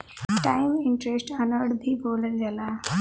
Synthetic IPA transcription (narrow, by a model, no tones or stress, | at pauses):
ʈajmɪɳʈɾesʈənəɽbʱiːboləd͡zala